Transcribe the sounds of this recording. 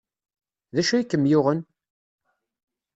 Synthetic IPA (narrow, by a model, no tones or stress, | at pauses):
ðæʃæikːəmːjʊʁən